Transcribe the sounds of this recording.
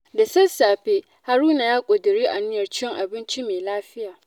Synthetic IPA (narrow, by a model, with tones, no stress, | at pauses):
da˨sɐ˦saː˨ɸe˦ | ha˦ɾuː˦na˨jaː˦kʷʼʊ˨dɪ˨ɾiː˦ʔa˨nɪ˦jɐ˨rt͡ʃɪ˦ɪ˦ŋʔa˨bɪ˦nt͡ʃi˦meː˨laː˦ɸɪ˦jaː˨